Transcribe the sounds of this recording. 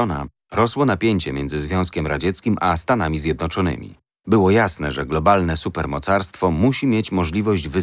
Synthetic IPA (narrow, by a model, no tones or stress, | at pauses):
ɔna̰ | ɾɔswɔnapʲjeɲt͡ɕɛmʲjɛndzɘzvʲjɔ̃w̃skʲɛmɾad͡ʑɛt̪skʲimʔast̪anamʲizʲjɛd̪nɔt͡ʂɔnɘ̰mʲḭ | bɘwɔjasnɛʐɛɡlɔbalnɛsupɛɾmɔt̪saɾst̪fɔmuɕimʲjet͡ɕmɔʐlʲivɔʑd͡ʑvɘ